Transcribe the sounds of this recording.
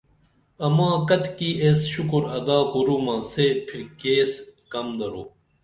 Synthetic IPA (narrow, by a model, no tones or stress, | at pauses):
ɐmãːkɐt̪kiːʔesɕukuɾɐd̪aːpuɾuːmãːsepʰiɾkeːskɐmd̪ɐɾo̰ː